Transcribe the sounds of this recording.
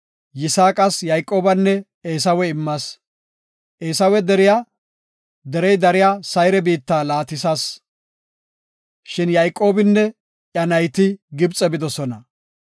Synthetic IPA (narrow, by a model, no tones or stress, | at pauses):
jɪsaːkʼɐsjɐjkʼːo̞ːbɐnːɛ | eːs̬ɐwɛɪmːɐs | ʔeːsɐwɛd̪ɛɾɪja | d̪ɛɾɛjd̪ɐɾɪjasɐjɾɛbiːt̪ːaːlaːt̪ɪsas | ʃɪnjɐjkʼːo̞ːbɪnːɛ | ʔɐnɐjt̪ɪɡɪbt͡sʼɛbɪd̪ɔsɔnɐ